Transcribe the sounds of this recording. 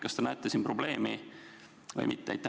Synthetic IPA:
kɑst̪enæet̪ːˑesinpro̞ble̞ːmi | vɤ̰jmit̪ːḛjt̪ːˑ

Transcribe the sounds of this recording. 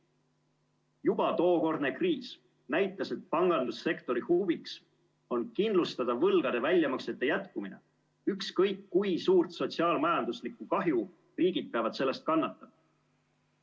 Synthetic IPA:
jub̥ɑt̪o̞ːko̞rd̪ne̞kriːs | næjt̪ːˑɑse̞t̪̚pɑŋɡ̥ɑnd̪usːe̞kt̪o̞ɾihuviks | o̞nkind̪lust̪ɑd̪̥ɑvɤlɡ̥ɑd̪̥e̞vælʲjɑmɑkse̞t̪ːe̞jæt̪kumine̞̰ | ykskɤjkːujsuːrt̪so̞t̪siɑːlmɑjɑnd̪̥uslikːˑukɑɦju | riːɡid̪̚peɑvɑt̪se̞lːe̞st̪̚kɑnːɑt̪ːˑɑmɑ

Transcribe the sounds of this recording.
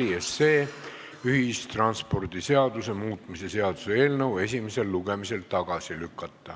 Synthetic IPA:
iesːeː | yɦist̪rɑnspo̞rd̪̥ise̞ɑd̪̥use̞muːt̪ˑmise̞se̞ɑd̪̥use̞e̞ːlnəwe̞s̬ʲimese̞lːuɡe̞mise̞lt̪ɑɡ̥ɑsilykˑːɑt̪ːˑɑ

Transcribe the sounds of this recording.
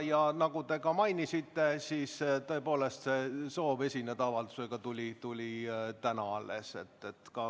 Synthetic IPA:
jɑnɑɡ̥ut̪e̞kɑmɑjnisit̪ːe̞siːst̪ɤe̞po̞ːle̞st̪se̞so̞ːve̞sʲinet̪ɑvɑld̪u̥se̞ɡ̥ɑt̪ulʲit̪ulʲit̪ænɑɑlːḛse̞̰t̪ːe̞t̪ːkɑ

